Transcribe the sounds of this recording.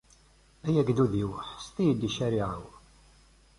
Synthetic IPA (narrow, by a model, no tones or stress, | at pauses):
æjæɡd̪uðiwəħst̪ijəd̪ːiʃæɾiʕəw